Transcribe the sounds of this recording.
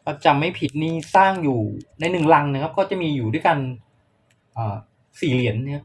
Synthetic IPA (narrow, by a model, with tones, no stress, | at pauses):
kʰa˧˩t͡ɕa˨˩ma˥˩jpʰi˨˩t̪̚niː˧˥˩saː˥˩ŋjuː˨˩na˧jnɯ˨˩ŋla˧ŋna˧˩kʰa˦˥p̚kɔː˥˩t͡ɕa˨˩miː˧juː˨˩du˥˩jka˧n | ʔaː˨˩ | siː˨˩li˩˦ənː˧˩